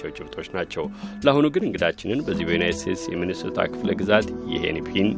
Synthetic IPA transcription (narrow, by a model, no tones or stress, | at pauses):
ɛwt͡ʃʼɪft̪ʰʼo̞t͡ʃːnat͡ʃːɛwlahunuɡɨnɨŋɡɨd̪at͡ʃːɪnɨnbəzːibəjunajtd̪ɨst̪et̪sjɛmɨnɨsət̪ʰa̰kʰɨfləɡɨzat̪jɛ̰hḛnipʰin